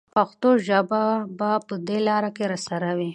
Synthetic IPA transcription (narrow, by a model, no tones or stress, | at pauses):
paxt̪oʒəbabapəd̪elɑɾakeɾasaɾawi